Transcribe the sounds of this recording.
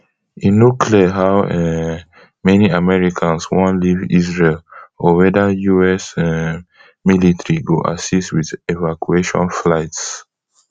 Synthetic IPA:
inokʰliəɦawɛ | mɛniamɛɹikʰãnswɔ̃nlivḭzɹelɔwɛdajuɛs | militɹiɡoʔa̰sistwiðevakueʃɔ̰̃nflaɪts

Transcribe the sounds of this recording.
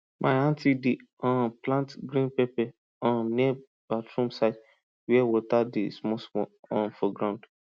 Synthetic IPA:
mʔaɪãntidi | ɔ̃nplãntɡɾĩnpepɛ | ɔ̃nniɛ | b̥atɾũmsaɪt | wɛwotadismɔsmɔɔ̃nfɔɡɾãʊ̃nd

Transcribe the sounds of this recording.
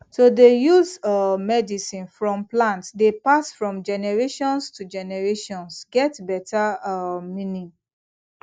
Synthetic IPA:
sodejuzmɛdisĩnfɹɔ̃mplãntdepasfɹɔ̃md͡ʒɛnɛɹeʃɔ̃nstud͡ʒɛnɛɹeʃɔ̃nsɡɛtbɛtamĩnĩ

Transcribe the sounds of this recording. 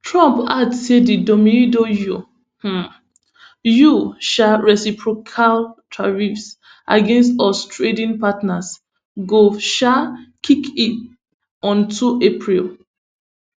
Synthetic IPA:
tɹɔ̃mpadsedidɔmĩnidoju | h̩ | juʃaɹɛsipɹokʰaltʰaɹifs | ʔa̰ɡẽnstɔstɹedĩnpatnas | ɡoʃakʰikit | ɔ̃ntʰuepʰɹil

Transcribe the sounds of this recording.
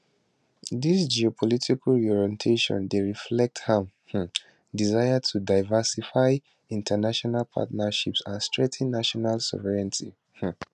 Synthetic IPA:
d̪isd͡ʒiɔpʰɔlitʰikalɔɹɛ̃ntʰeʃɔ̰̃ndeɹiflɛk̚thãm | h̩ | dizaɪatʰudaɪvasifaɪ | ĩntʰənaʃɔnalpʰa̰tnaʃipsãnstɹɛtʰĩnːaʃɔnalsɔ̰vɛɹɛ̃ntʰḭ | h̩

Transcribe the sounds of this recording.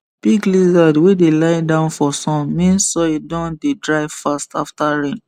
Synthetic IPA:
b̥iɡlizadwedelaɪdãʊ̃nfɔsɔ̃nmĩnssoedɔ̃ndedɹaɪv̥fastaftaɹĩn

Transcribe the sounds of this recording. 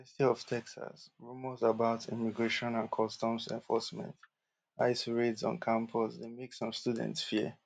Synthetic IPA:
stiɔv̥tʰɛksa̰sɹumɔzabaʊtʰḭmiɡɹeʃɔ̃nãnkʰɔstɔ̃msɛ̰̃ɱfɔ̰smɛ̰̃nt | aɪsɹedsɔ̰̃nkʰãmpʰɔsdemeksɔ̃mstudɛ̰̃ntsfi

